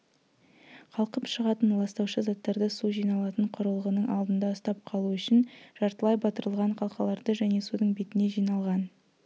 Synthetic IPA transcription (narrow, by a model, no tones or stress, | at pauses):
qʰɑlˠqəpʃəʁɑt̪ənlˠɑst̪ɑwʃəzɑt̪ːɑɾd̪əsuʒijnɑlˠɑt̪əɴqʰʊɾəlˠʁənəɴʔɑ̰lˠd̪ənd̪ɑəst̪ɑp̚qʰɑlˠuʏʃɪnʒ̥ɑɾt̪əlˠɑjbɑt̪əɾəlˠʁɑɴqʰɑlˠqɑlˠɑɾd̪əʒæne̞sud̪əɴbe̞t̪ɪne̞ʒijnɑlˠʁɑn